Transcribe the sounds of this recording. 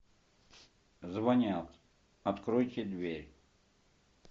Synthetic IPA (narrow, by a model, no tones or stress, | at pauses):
zvɐnʲat̪ | ɐt̪kɾojt̪ʲɪd̪vʲeɾʲ